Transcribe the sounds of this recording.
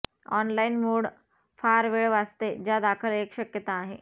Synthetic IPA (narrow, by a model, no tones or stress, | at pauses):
ɔnlainmoɽ | faɾʋeɭʋast̪ed͡ʑjad̪akʰəlekɕəkjət̪aːɦḛ